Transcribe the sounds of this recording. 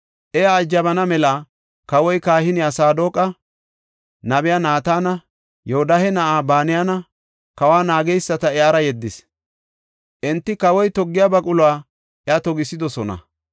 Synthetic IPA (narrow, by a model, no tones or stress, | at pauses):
ʔɛjaːd͡ʒːɐbɐnɐmɛlɐ | kɐwɔjkaːhɪnɪjasaːd̪o̞ːkʼɐ | nɐbɪjanaːt̪aːnɐ | jɔhɔd̪ɐhɛnɐʔaːbaːnɪjanɐ | kɐwaːnaːɡɛjsːɐt̪ɐɛaːɾɐjɛd̪ːɪs | ʔɛnt̪ːɪkɐwɔjt̪ɔɡːɪjaːbɐkʼʊlʊwaː | ʔɛɐt̪ɔɡɪsɪd̪ɔsɔnɐ̰